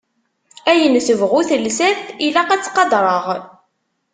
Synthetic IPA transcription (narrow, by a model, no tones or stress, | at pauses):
æjənθəvʁuθəlsæθilæqæt͡sːqɑd̪ˤɾˤəʁ